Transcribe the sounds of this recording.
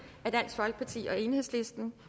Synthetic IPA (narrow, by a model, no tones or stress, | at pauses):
æɐd̥æn̰sɡ̥fɒ̽lɡ̥ə̥pʰɑ̈t͡sʰḭːʔɒ̽e̝ːnhe̝ð̰ˠsle̝sd̥n̩